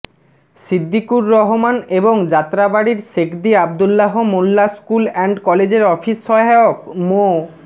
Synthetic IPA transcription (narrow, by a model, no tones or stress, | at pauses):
sid̪ːikuɾːɔɦomaneboŋd͡ʑat̪ːɾabaɽiɾʃekd̪iabd̪ulːaɦomulːaskulɛɳɖkɔled͡ʑeɾɔfʰisːɔaokmo